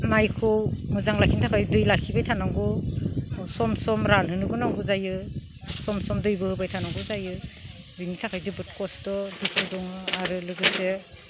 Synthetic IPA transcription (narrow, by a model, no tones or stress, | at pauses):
majkʰɔwmɯzaŋlakʰintʰakʰajdɯjlakʰibajtʰanaŋɡɔ | sɔmsɔmɾanhɯnɯɡɯnawɡɯzajɯ | sɔmsɔmdɯjbɯhɯbajtʰanawɡɔzajɯ | binitʰakʰajzɯbɯt̚kɔsdɔdikʰɯdɔŋɯaɾɯlɯɡɯse